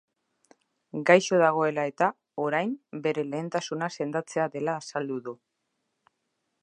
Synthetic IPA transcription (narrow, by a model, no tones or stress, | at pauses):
ɡajʃo̞ðaɣ̞o̞e̞lae̞t̪a | o̞ɾajmbe̞ɾe̞le̞ːnt̪asunase̞nd̪at͡se̞aðe̞laːsald̪uðu